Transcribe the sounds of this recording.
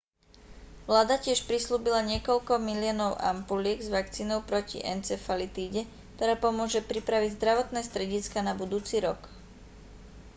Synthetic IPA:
ʋlaːd̪acɪɛʃpɾisluːbilaɲɪɛkɔlkɔmilɪɔnɔʊʔa̰mpulɪɛɡzʋakt͡siːnɔʊpɾɔcḭʔɛnt͡sɛfalit̪iːɟɛ | k̚t̪ɔɾaːpɔmʊɔʒɛpɾipɾaʋiɟzd̪ɾaʋɔt̪nɛːst̪ɾɛɟiskanabud̪uːt͡siːɾɔk

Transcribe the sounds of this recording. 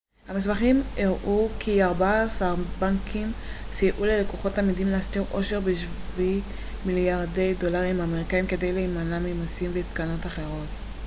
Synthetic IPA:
hamis̬baχimeʁʔukʰiaʁbasaʁbaŋkʰim | sijʔule̞lekoχo̞tːalmidimleastiʁʔo̞ʃe̞ʁbeʃ | vi | miljaʁde̞jdo̞laʁimameʁikaimke̞dejleimanamemosimveit̪kano̞taχe̞ʁo̞t

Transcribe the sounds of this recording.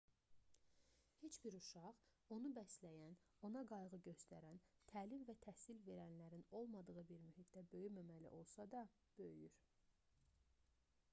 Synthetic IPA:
he̞t͡ʃbiɾuʃɑʁ | o̞nubæslæjæn | o̞nɑɡɑjʁɯɟø̞st̪æɾænt̪ʰæːlimvæt̪ʰæhsilve̞ɾænlæɾino̞lˠmɑd̪ɯʁɯbiɾmyɦit̪̚ʰd̪æbø̞jymæmælḭʔo̞lˠsɑd̪ɑ | b̥øjyɾ

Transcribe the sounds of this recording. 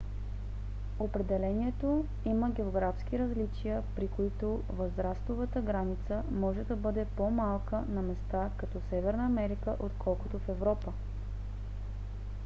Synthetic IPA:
opɾɛd̪ɛlɛniɛt̪o | iməɡʲɛoɡɾafsk̟iɾɐzlit͡ʃijəpɾikoit̪o | vəzɾast̪ovət̪əɡɾanit̪səmɔʒɛd̪ɐbɤd̪ɛpomalˠkənɐmɛst̪akɐt̪ɔsɛvɛɾnəːmɛɾikəʔot̪kʰɔlˠkot̪ofɛvɾɔpə

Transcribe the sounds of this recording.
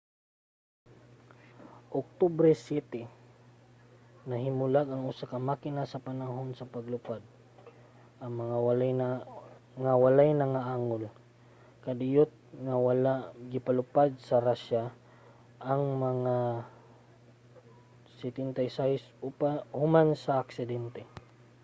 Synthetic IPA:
ʔʊk̚t̪obɾɛsjɛt̪ɛ | nɐɦɪmʊlaɡɐŋʊsakɐmakɪnasɐpanaɦonsɐpaɡlʊpad̪̚ | ʔaŋmaŋaw | ŋawalajnaŋaʔaːŋol | kad̪ɪjot̪̚ŋawalaʔɡɪpalʊpad̪̚sɐɾaʃa | ʔaŋmɐŋa | sɛt̪ɛnt̪ajsahɪspahʊmansaːksɪd̪ɛnt̪ɛ

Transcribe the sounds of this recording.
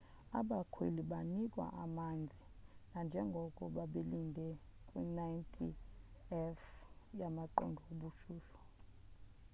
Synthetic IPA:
a̰ɓakʰwḛliɓanik̬ʼwa̰ʔamand͡zʱinand͡ʒʱɛŋɡʱɔkʼɔɓaɓelindʱɛkʼwinajntʰiɛfjamaǃɔ̰ndʱɔoɓuʃuːɬɔ̥

